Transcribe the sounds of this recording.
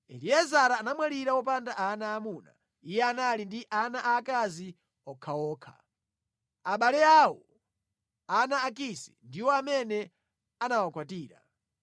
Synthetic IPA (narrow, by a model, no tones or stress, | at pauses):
ɛ̰liɛzaɾaːnamwaɾiɾawɔpandaʔanaːmuna̰ | ijɛanalindiʔanaʔaːkazi | ɔkʰawɔːkʰḁ̰ | aɓalɛawɔ | anaːk̬isɛ̥̰ndiwɔamɛnɛ | anawakwatiːɾa̰